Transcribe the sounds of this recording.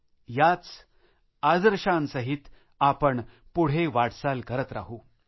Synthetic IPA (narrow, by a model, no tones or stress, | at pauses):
jat͡s | ad͡zɾɕansəɦit̪ | apəɳ | puɽ̤eʋaɽsalkəɾət̪ɾa̰ɦu